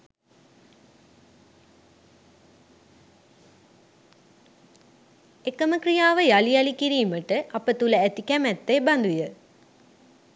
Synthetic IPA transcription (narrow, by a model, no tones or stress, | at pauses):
ekəməkɾijaːʋəjalijɐlikiɾijuməʈɨʔɐpət̪uləæt̪ikɛmɛt̪ːeːbɐnd̪ujə